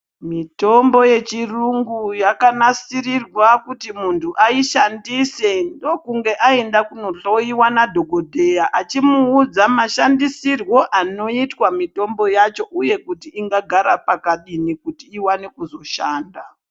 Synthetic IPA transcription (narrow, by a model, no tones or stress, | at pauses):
mito̞mbo̞je̞t͡ʃiruŋɡujakanasirirwakutimuntʰuʔaiʃandise̞ndo̞kuŋɡe̞ʔaendakuno̞ɬoiwanadʱo̞ɡʱo̞dʱejaʔat͡ʃimuːd͡zamaʃandisirwo̞ʔano̞itwamito̞mbo̞jat͡ʃo̞ʔuje̞kutiiŋɡaɡʱaɾapakaɗinikutiiwanekuzo̞ʃaːnda